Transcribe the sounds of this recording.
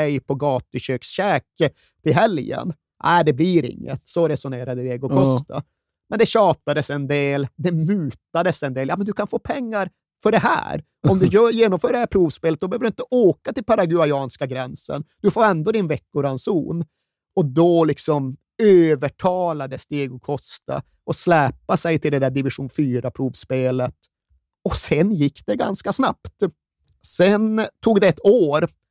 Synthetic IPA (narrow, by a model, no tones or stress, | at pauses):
ɛjpʰɔɡɑːt̪əɕøːksɕɛːk | t̪ʰɪlɦɛljə̰n | ʔæːd̪ɛbliɾɪ̰ŋːə̰t̪sɔɾɛsʊneːɾad̪əeːɡʊkʰɔst̪a̰ | mɛnd̪ɛɕɑːt̪ad̪əsɛnd̪eːld̪ɛmʉːt̪ad̪əsɛnd̪eːljɑːmɛnd̪ɵkʰanfoːpʰɛŋːaɾ | fœɖɛɦæ̰ːɾ | ɔmd̪ɵjœːjeːnɔmfœːɾɖɛhæpʰɾuːvspeːlət̪̚ɔbɛhøvɖɵɪnt̪əʔoːkat̪ɪlpaɾaɡʉajɑːnskaɡɾɛnsə̰nd̪̥ɵfoːɾɛnd̪oːd̪ɪnvɛkːʊɾansṵːn | ɔd̪ɔlɪksɔm | øːvəʈʰɑːlad̪əst̪eːɡɔkʰɔst̪a̰ | ʔɔslɛːpasɛjt̪ʰɪld̪ɛd̪æːɖɪvɪʂuːnfyːɾapʰɾuːvspeːlət̪ | ɔsɛnjɪkːd̪ɛɡa̰nskasna̰pt̪ | sɛnt̪ʰuːɡd̪ɛɛt̪ːoːɾ